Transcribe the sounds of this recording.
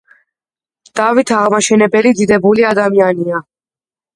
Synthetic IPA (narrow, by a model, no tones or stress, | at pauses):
d̪̥avit̪ʰaʁmaʃɛnɛbɛlid̪id̪ɛbuliad̪amiania